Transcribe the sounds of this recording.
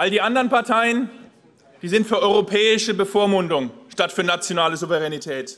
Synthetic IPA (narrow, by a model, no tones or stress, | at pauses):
ʔaldiːʔandəʁənpaɐtʰaɪən | d̥iːzɪntfyːɐʔɔʏʁopʰɛːɪʃəbəfoːɐmʊndʊŋʃtatfyːɐnat͡sjonaːləzuvɛʁɛnitʰɛːt